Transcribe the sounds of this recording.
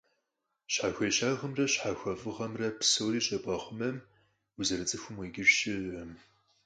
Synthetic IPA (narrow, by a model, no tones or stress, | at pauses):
ɕħaːxʷeɕaːʁəmrɐɕħaxʷɐfʼɨʁɐmrɐpsɨwriːɕʼɐbʼɐχʷʊmɐm | uzɐɾɨt͡sʼɨxʷʊmweːɡʲɪrʃɪm